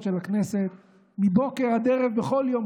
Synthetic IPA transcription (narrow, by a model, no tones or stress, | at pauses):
ʃelakne̞set̪ | mibo̞keʁad̪eʁevbeχo̞ljo̞m